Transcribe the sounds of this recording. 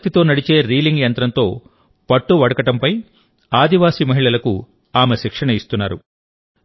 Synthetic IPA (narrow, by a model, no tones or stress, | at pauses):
t̪it̪o̞ːnɐɽit͡ʃe̞ːɾiːliŋɡjɐnt̪ɾɐnt̪o̞ː | pɐʈːuʋɐɽɐkɐʈɐmpɐj | aːd̪iʋaːsimɐɦiɭɐlɐku | aːmeʃikʂɐɳɐist̪unːaːɾu